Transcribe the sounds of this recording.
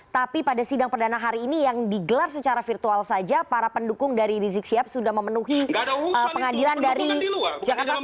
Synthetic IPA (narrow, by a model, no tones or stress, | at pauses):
t̪apipadasidaŋpərdanaɦaɾiːnijaŋdiɡəlarsət͡ʃaɾafirt̪ualsad͡ʒapaɾapəndukʊŋdaɾiɾizɪk̚siap̚sudahməmənuɦiəpəŋadilandaɾid͡ʒakat̪a